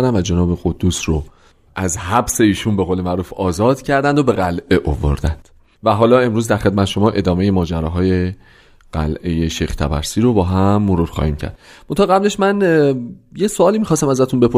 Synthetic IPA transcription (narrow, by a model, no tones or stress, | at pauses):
ɾd̪æmvæd͡ʒe̞nɒːbe̞ɣod̪ːuːsro | ʔæzhæbse̞iːʃunbe̞ɣoːle̞mæʔɾuːfɒːzɒːd̪̥cʰæɾd̪ænd̪obe̞ɣælʔe̞ʔovo̰ɾd̪ænd̪̥ | væɦɒːlɒːe̞mɾuːzd̪æɾχe̞d̪̚mæt̪ʰeʃo̞mɒːʔe̞d̪ɒːme̞je̞mɒːd͡ʒæɾɒːɦɒːje̞ | ɢ̥æ̰lʔe̞je̞ʃejxt̪ʰæ̰bæ̰ɾsiːɾobɒːɦæmːoɾuɾxɒ̰ːhiːmcʰæ̰ɾd̪̥mont̪ɒːɣæble̞ʃmæn | jesoɒːlimixɒːst̪æmæzæt̪ʰunbe̞pʰo